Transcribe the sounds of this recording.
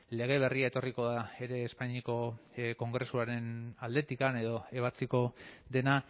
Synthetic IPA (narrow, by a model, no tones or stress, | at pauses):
le̞ɣ̞e̞β̞e̞riae̞t̪o̞riko̞ðae̞ɾe̞ːspaɲiko̞ko̞ŋɡɾe̞suaɾe̞nald̪e̞t̪ikane̞ð̞o̞e̞β̞at͡siko̞ðe̞na